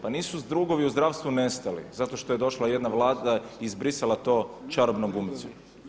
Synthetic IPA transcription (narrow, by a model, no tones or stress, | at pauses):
paniːsuzd̪ɾuɡo̞ʋiuzd̪ɾaʋst̪ʋune̞st̪alḭzat̪oʃt̪o̞je̞d̪o̞ʃlˠajed̪naʋlˠaːd̪aiːzbɾisalat̪o̞ːt͡ʃaɾobnoɡumit̪so̰